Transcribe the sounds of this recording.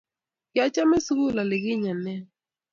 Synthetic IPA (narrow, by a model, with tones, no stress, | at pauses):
jja˦t͡ʃa˦me˦su˦kʊ˦˨la˨lɪ˨ɡɪ˦ɲa˨nɛ˦